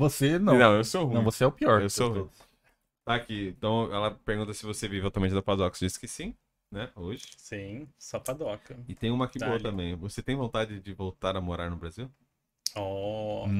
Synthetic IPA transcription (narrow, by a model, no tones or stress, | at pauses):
vosenɐ̃nɐ̃w̃ewsohũɐ̃w̃voseɛʊpiɔɾewsohũ | t̪aːkiẽt̪ɐ̃w̃ɛlɐpeɾɡũt̪ɐsɪvosevivɪat̪uɐmẽt͡ʃɪd̪apad̪ɔksd͡ʒisɪ̥kɪsĩ | nɛoʒɪsĩsapad̪ɔkɐɪt̪ẽj̃ũmɐakiboɐt̪ɐ̃mbẽj̃voset̪ẽj̃võt̪ad͡ʒɪd͡ʒɪvowt̪aɾɐmoɾaɾnʊbɾaziw | ɔ